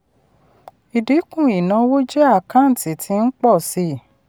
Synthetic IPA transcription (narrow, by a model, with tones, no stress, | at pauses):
i˨di˨˦kũ˦˨i˨nã˨˧˦wo˦d͡ʒɛ˦a˦˨kã˨˦n̩˨ti˨˦tʰi˧˦n̩˦k͡pɔ˦˨si˦